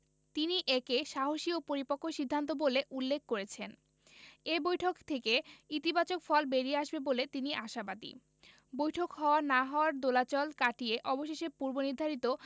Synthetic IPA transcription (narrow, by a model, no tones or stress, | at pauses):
t̪iniʔekeʃaɦoʃiopoɾipokʰːoʃid̪ʱːant̪oboleʔulːek̚koɾet͡ɕʰen | ebojʈʰokt̪ʰekeit̪ibat͡ɕokfɔlbeɾieaʃbebolet̪iniʔaʃabad̪ḭ | bojʈʰokɦɔoanaɦɔoaɾd̪olat͡ɕɔlkaʈieʔɔboʃeʃeɾpuɾboniɾd̪ʱaɾit̪o